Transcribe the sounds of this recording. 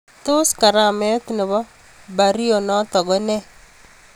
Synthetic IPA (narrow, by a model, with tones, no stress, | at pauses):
t̪o˦ska˨ɾa˦˨mɛ˦t̪nɪ˨βɔ˦ | ba˨ɾi˦o˨nɔ˦t̪ɔ˨ɡɔ˦nɛ˦